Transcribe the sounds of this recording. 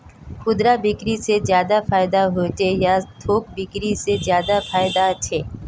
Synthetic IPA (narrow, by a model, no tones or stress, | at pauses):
xʊd̪ɾabɪkɾisezjaːd̪afaːɪd̪aɦot͡ʃʰejat̪ʰoːk̚bɪkɾisezjaːd̪afaːjd̪at͡ʃʰeː